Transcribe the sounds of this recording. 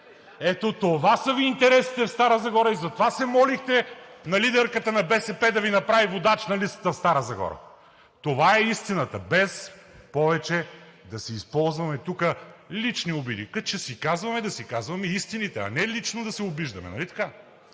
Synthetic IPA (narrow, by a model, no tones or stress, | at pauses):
ɛt̪ot̪ovasəviːnt̪ɛɾɛsi̥t̪ɛfst̪aɾəzɐɡɔɾəizɐt̪ovasɛmɔlixt̪ɛnɐlid̪ɛɾkət̪ənɐbɛsɛpɛd̪ɐvinɐpɾavivod̪at͡ʃnɐlist̪ɐ̥t̪əfst̪aɾəzɐɡɔ̰ɾə̰ | t̪ovaɛist̪inət̪əbɛs | pɔvɛt͡ʃɛ | d̪ɐsɛispɔlˠzvɐmɛt̪ukəlit͡ʃniobid̪ḭkɐt͡ʃɛsikazvɐmɛd̪ɐsikazvɐmɛist̪init̪ɛɐ̰nɛlit͡ʃnod̪ɐsɛʊbiʒd̪ɐmɛ̰nɐ̰lit̪ɐ̥ka